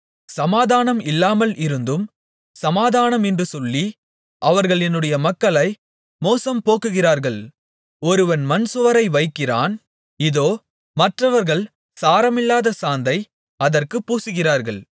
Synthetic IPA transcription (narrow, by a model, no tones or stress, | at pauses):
sɐmaːðaːnɐmɪlːaːmɐlɪɾɯnd̪ɯm | sɐmaːðaːnɐmɛndrɯsɔlːi | ʔɐʋɐɾɣɐɭɛnːɯɽɐjɐmɐkːɐɭɐɪ | moːsɐmpoːkɯɣɪɾaːɾɣɐɭ | ɔɾɯʋɐnmɐnsɯʋɐɾɐɪʋɐɪkːɪɾa̰ːn | ɪðoː | mɐʈrɐʋɐɾɣɐɭ | saːɾɐmɪlːaːðɐsaːnd̪ɐɪ | ɐðɐrkɯpːuːsɯɣɪraːɾɣɐɭ